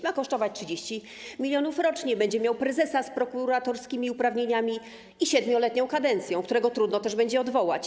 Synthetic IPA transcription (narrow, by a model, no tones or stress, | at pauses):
makɔʂt̪ɔvat͡ɕtʂɘd͡ʑeɕt͡ɕi | mʲilʲjɔnufɾɔt͡ʂɲɛbɛɲd͡ʑɛmʲjawpɾɛzɛsaspɾɔkuɾat̪ɔɾskʲimʲiupɾavɲeɲamʲi | iɕɛd̪mʲjɔlɛt̪ɲɔ̃w̃kad̪ɛnt̪sʲjɔ̃w̃kt̪uɾɛɡɔt̪ɾud̪nɔt̪ɛʐbɛɲd͡ʑɛɔd̪vɔwa̰t͡ɕ